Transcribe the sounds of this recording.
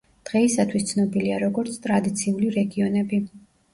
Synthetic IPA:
d̪̥ʁɛisat̪ʰwist̪sʰnɔbiliaɾɔɡɔɾt̪sʰt̪ʼɾad̪it̪sʰiuliɾɛɡiɔnɛbi

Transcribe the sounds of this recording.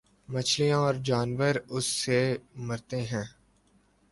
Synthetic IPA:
mət͡ʃʰlijãɔːɾd͡ʒaːnʋəɾʊsːeməɾt̪eɦɛ̃ː

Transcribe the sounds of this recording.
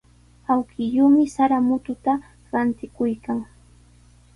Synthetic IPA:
awkʰɪʎʊːmɪsaɾamʊt̪ʊt̪a | ɾant̪ɪkʊjkaŋ

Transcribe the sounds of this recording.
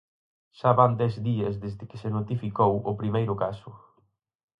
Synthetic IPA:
ʃaβand̪ɛzðiɐzðezɪkɪsenot̪ifikowʊpɾimejɾʊkasʊ

